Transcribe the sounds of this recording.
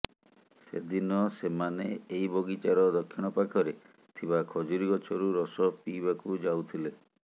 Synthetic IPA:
sed̪inɔsemaneejboɡit͡ʃaɾɔd̪ɔkʰːiɽ̃ɔpakʰɔɾe | t̪ʰiβakʰɔd͡ʒuɾiɡɔt͡ʃʰɔɾuɾɔsɔpibakud͡ʒawt̪ʰile

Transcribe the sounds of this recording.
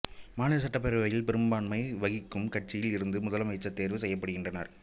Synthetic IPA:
maːnɐsɐʈːɐp̬ːɛɾɯʋɐjɪlpɪɾɯmbaːɳmɐɪʋɐɣɪkːɯmkɐʈ̚t͡ʃːɪjɪlɪɾɯnd̪ɯmʊðɐlɐmɐɪt͡ʃːɐt̪ːeːɾʋɯsɛjːɐpːɐɽɯɣɪndrɐnɐ̰ɾ

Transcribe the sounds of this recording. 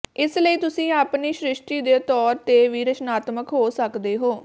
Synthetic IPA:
ɪsləiːt̪ʊsĩːaːpniːʃɾɪʃʈiːd̪eːt̪ɔːɾt̪eːʋiːɾət͡ʃnaːt̪məkɦoːsəkd̪eːɦoː

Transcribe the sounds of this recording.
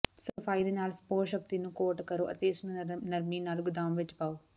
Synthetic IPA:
səfʰaːid̪eːnaːlspoːɾʃəkt̪iːnũːkoːʈkəɾoːʔə̰t̪eɪsnũːnəɾmiːnaːlɡʊd̪aːmʋɪt͡ʃpaːoː

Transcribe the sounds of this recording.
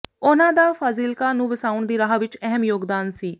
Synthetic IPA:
ʊnãːd̪aːfʰaːziːlkaːnũːbəsaːʊɳd̪iːɾaːɦʋɪt͡ʃɛɦəmjoːɡd̪aːnsiː

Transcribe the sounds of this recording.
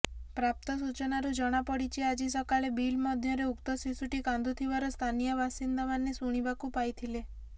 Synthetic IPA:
pɾap̚t̪ɔs̬ut͡ʃɔnaɾud͡ʒɔɽ̃apɔɽit͡ʃʰiad͡ʒisɔkaɭebilmɔd̪ʱjɔɾeukt̪ɔsisuʈikãnd̪ut̪ʰiʋaɾɔst̪ʰanijɔʋasind̪aʋanːesuɽ̃ibakupajt̪ʰile

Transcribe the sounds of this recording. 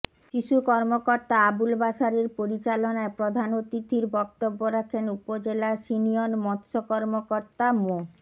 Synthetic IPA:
ʃiʃukɔɾmokoɾt̪aabulbaʃaɾeɾpoɾit͡ɕalonaepɾod̪ʱanot̪it̪ʰiɾbɔk̚t̪obːoɾakʰenupod͡ʑelaʃinionmɔt̪ʃokɔɾmokoɾt̪amo

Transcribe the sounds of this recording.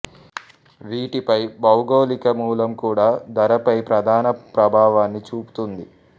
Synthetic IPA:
ʋiːʈipɐjbɐwɡoːlikɐmuːlɐmkuːɽaːd̪ɐɾɐpɐjpɾɐd̪ʱaːnɐpɾɐbʱaːʋaːnːit͡ʃuːpu̥t̪und̪i

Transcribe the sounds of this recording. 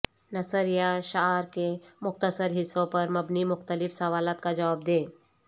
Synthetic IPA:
nɐsəɾjaʃaɦɾkemʊxt̪əsəɾɦɪsːõpɐɾmɐbnimʊxt̪əlɪfsɐʋaːlaːt̪̚kad͡ʒɐʋaːbd̪eː

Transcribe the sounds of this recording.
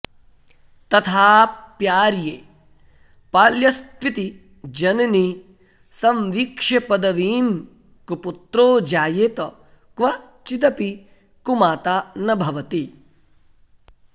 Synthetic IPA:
t̪ɐt̪ʰaːpjaːɾjeː | paːljɐst̪ʋit̪i | d͡ʒɐnɐni | sɐmʋiːkʂɐpɐd̪ɐʋiːm | kuput̪ɾoːd͡ʒaːjeːt̪ɐ | kʋɐ | t͡ʃit̪ɐpi | kumaːt̪aːnɐbʱɐʋɐt̪i

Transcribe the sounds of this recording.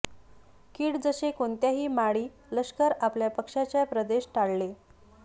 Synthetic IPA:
kiːɽd͡zəɕekoɳt̪jaɦiːmaɽiː | ləɕkəɾapljapəkʂat͡ɕjapɾəd̪eɕʈaɭle

